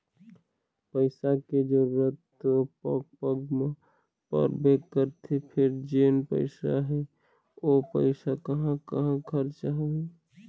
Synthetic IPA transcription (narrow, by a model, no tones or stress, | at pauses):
pəɪsaked͡ʒoɾət̪ː | opəɡpəɡm | pə̰ɾbekəɾt̪ʰipʰeɾd͡ʒenpə̰ɪsaɦɛ | opə̰ɪsakəɦãkəɦãɡʰʱəɾt͡ʃaɦe